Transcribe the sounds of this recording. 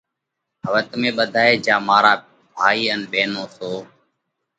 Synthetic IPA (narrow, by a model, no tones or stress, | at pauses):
ɦəʋət̪mẽːɓəd̪ʱaːeːd͡ʒaːmaːɾaː | bʱaːiːənɓeːnoːsoː